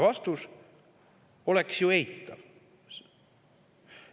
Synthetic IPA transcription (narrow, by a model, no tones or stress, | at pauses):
vɑst̪us | o̞leksjuejt̪ːˑɑv